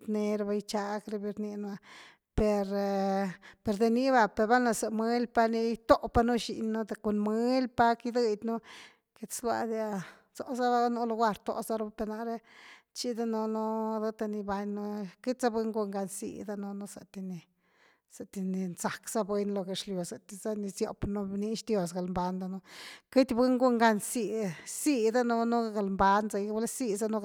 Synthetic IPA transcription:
t̪ne˧ɾa˧ba˧jt͡ʃa˧ɡɾe˧bi˧ɾni˧nu˧a˧ | pe˧ɾ | pe˧ɾd̪e˨˧ni˦βa˧pe˧ɾba˦na˧sa˨mwe˦lpa˦ni˧t̪o˦pa˦nu˦ʃḭ˧nːu˦d̪e˧ko˧nme˦lpa˦ki˦d̪ɨ˧d̪ʲnu˦ | ke˧t̪slwa̰˧d̪ja˧ | t͡so̰˨za˦ba˦nu˦lo˧ɡʷwa˧ɾt̪ːo̰˧za˦ɾo˦ba˦pe˧ɾna˧ɾe˦t͡ʃi˦d̪a˦no˧no˦d̪ɨ˦t̪a˧ni˧ba˧ɲnu˦ki˦t̪ʲza˦bɨ˦ŋɡu˦˧ŋɡa˧nsḭ˧d̪a˦no˧nu˧sa̰˨t̪i˧ni˧ | sa˨t̪i˧ni˧nza˨kz̥a˦be˦nlo˧ɡe˧˨ʂljo˨sa˨t̪i˧za˦ni˧sjo̰˧pnu˦bni˦ʃd̪jo˧sɡa˨lmba˧nd̪a˧nu˧ki˦t̪ʲbɨ˦ŋɡu˦ŋɡa˧nsi˧si˧d̪a˦nu˧nu˦ɡa˨lmba˧˦nza˧wla˦si˧za˦nu˦

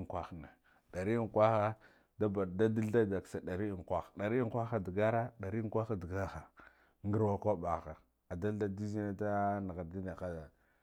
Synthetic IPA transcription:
kʷa˦xna˨ | ɗa˨ɾi˦ŋ˨kʷa˦xa˦ | da˦ba˨da˦di˦lda˦da˨ksa˨da˨ɾi˦˨ŋ˨kʷa˦xɗa˨ɾi˦ŋkʷa˦xa˦di˨ɡa˦ɾa˦ɗa˨ɾi˦ŋ˦kʷa˦xa˦di˨ɡa˦xa˨ | ŋɡə˦ɾwa˦kʷa˦ba˨xa˨ | a˨da˦lda˦di˦zi˦na˦ta˦na˨ɣa˨di˦na˨xa˦za˨

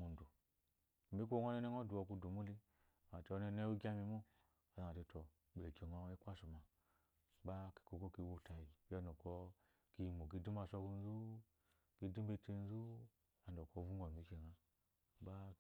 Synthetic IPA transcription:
mu˨n˨du˨ | m̩˨bi˦k̬ʷo˦ŋʷ˦o˦ne˦ne˦ŋo˦du˨o˧˨ku˧du˨mu˦li˦˨ | a˨te˧o˦ne˧n˦e˦wu˦ɡʲa˦mi˧mu˦ | a˨za˨a˨te˧to˨ | be˨ke˨ŋo˧i˦kʷa˦su˨ma˨ | ba˦ki̥˨ko˨ko˦ki˧˦wo˧˨ta˨ji˨ba˦no˨ko˦ | ki˧˨mo˨k̬i˧di˦m˦a˧so˧˦ku˧n̩˦zu˦ | ki˧di˦m˦be˧˦ti˧n˦zu˦ | a˨n˨o˨ko˦vu˦ŋɡʷa˨mi˨˦ʃe˨ŋa˨ | ba˦

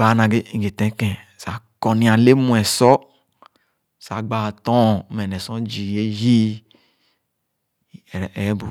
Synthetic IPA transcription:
a˨˦nã˨ɡe˦ĩ˨ɡe˨t̪ɛ̃˦kɛ̃˨sa˨˦kɔ˨nĩ˨a˨le˦mũ˨ɛ˨sɔ˦ | sa˨ɡ͡ba˨t̪ɔ̃˦˨˦mɛ˨nɛ̃˨sɔ̃˦d͡ʒi˨je˦ji˦˨ | ɛ˨˦bo˨

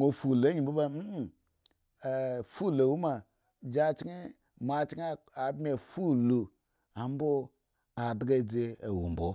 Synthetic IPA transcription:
o˨fu˨le˦ɲi˨bu˦ba˦m̩˦˨ | fu˦˨le˨wu˦ma˨ | d͡ʒa˦t͡ʃi˦i˦ | ma˨t͡ʃi˦ŋ˦a˨˦be˨fu˦lu˨ | a˨m˦bo˦ | a˨dɡe˦˨d͡ze˦e˨wṵ˨m˨bo˨

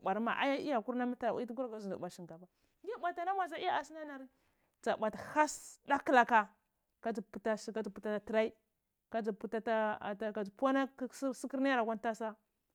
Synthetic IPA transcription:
ba˨ɾma̰˨ʔa̰˦ja˦i˦ja˨ku˦ɾna˦ma˦a˨ʔi˦ti˦ɡu˦a˨ka˦zu˨ṵ˨ɓa˨ʃi˨ka˨ba˨ | ɡi˦ɓa˨ta˨na˦ma˨za˦i˦a˦a˨si˦na˦na˨ɾ | t͡sa˨ɓa˨ta˨ha˦sda˦kla˨ka˨ | ka˦d͡zi˨pu˨˦ta˦˨ka˦d͡zi˨pu˦ta˦a˨ti˨ɾa˦i˦ | ka˦d͡zu˨pu˦ta˦ta˦˨a˦ka˨pa˦na˦si˦ki˦ɾna˦ja˦ɾa˨ɡʷa˦n˦ta˦sa˦

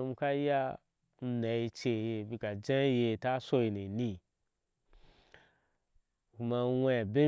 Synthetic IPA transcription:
m˦ka˦ja˦ | n̩˦na˨i˧t͡ʃe˨je˧bi˧ka˨d͡ʒã˦je˧˨ta˦so˦i˨ni˨nĩ˧ | ku˧ma˧n˦wa˦ja˨be˦

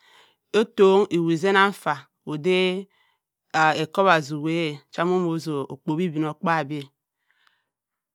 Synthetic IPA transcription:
o˦to˦ŋi˨wi˨ze˦na˦ɱ˦fa˨ | o˨de˦˨ | e˨ko˦βa˨zu˨we˦˨t͡ʃa˦m˦o˦mo˨˦zo˨o̰˨k͡po˨bi˦bi˨n˨o˨k͡pa˦˨bi˦e˦

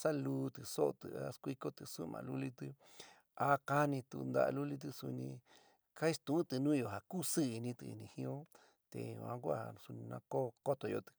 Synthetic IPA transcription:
sa˦lu˧t̪ɨ˧so˦ʔo˧t̪ɨ̰˨a˦skʷi˧ko˦t̪ɨ˧su˦mã̰˧lu˦li˦t̪ɨ˧ | a˦ka˦nĩ˧t̪u˧nd̪a̰˦˧a̰˧lu˦li˦t̪̬ɨ˧su˧nĩ˧ | ka˦i˦st̪ũ˨˦t̪ɨ˨˧nũ˦jo˨ɦa˨ku˦sɨ˦i˧nĩ˧t̪ɨ̰˧ḭ˧nĩ˧hĩ˧õ˦ | t̪ḛ˨ɲ˧˨ã˧˦kʷa˦˨su˧nĩ˧nã˧ko˦ko˦t̪o˨˧jo̰˧t̪ɨ̥˧

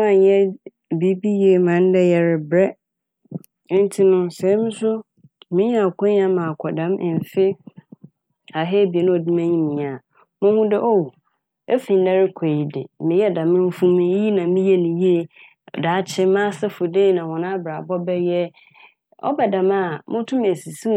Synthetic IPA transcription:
a˨ɲ˦ɛ˦ | bi˨˦bi˦ji˦e˨mã˨˦n˦dɛ˦jɛ˨ɾɪ˨bɾɛ˦ | n̩˦tʰi˦nʊ̃˦sɛ˨˦mɪ̃˦sʊ˦ | mɪ̃˦ɲ˦a˦˨kʰɔ̃˦ɲ˦ã˦mã˨kʰʷɔ˨dã˦m˨n˨fɪ˦ | a˨ɦeː˦bi˨e˨nʊ̃˦ɔ˨di˦mæ̃˦ɲĩ˦mĩ˨a˨ | mʊ̃˦hʊ̃˦dɪ˦ʔo˦wu˨ | e˦fĩ˨n˦da˦ɾɪ˦kʷʰe˨ji˨dɪ˨mɪ̃˨jɛ˦dã˨mɪ̃˦m̩˦fũ˦mĩ˦ji˦nã˨mĩ˦jɛ˦nĩ˨ji˦e˨ | da˨˦t͡ɕʰɪ˦mã˦sɛ˦fʊ˨deː˦˨nã˨wɔ̃˨nã˦bɾa˨bɔ˦bɛ˦jɛ˦ | ɔ̰˦bɛ˨dã˨ma˦˨mʊ̃˦tʰʊ̃˦m˨æ˨si˨su˦

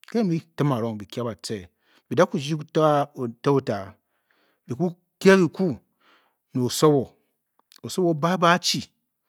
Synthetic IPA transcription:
ke˦mi˦ti˦ma˨ɾo˦ŋ˨bi˨kʲa˦ba˨t͡se˦˨ | bi˨da˦ku˦d͡ʒi˦tta˦o˦ta˨ | bi˨ku˦ | kʲa˦bi˨ku˦ | no˨o˨so˦wo˨ | o˨so˦wo˦ba˦ba˦t͡ʃi˨

